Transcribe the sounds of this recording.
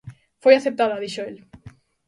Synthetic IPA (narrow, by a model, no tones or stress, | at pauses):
fojaθep̚t̪aðaðiʃoel